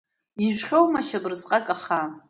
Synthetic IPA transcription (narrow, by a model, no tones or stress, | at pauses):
iʒʷᶣχʲowmaʃabɨrzqʼakʼaχa